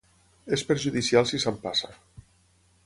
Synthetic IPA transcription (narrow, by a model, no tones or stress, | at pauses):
espeɾʒuðisialˠsisampasa